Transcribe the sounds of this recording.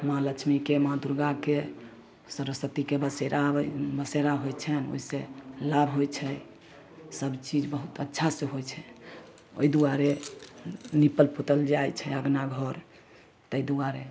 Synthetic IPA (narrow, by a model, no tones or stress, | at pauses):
mãlət͡ʃʰmikemãd̪uɾɡake | səɾəsət̪ikebəseɾʔabəseɾaɦojt͡ʃʰɛno̰iselabʱɦojt͡ʃʰɛ | səbt͡ʃid͡ʒbəɦut̪ətːʃʰasẽɦojt͡ʃʰɛ | o̰id̪uaɾe | nipəlpot̪əld͡ʒajt͡ʃʰɛəɡnaɡʱɔɾ | t̪əid̪uaɾe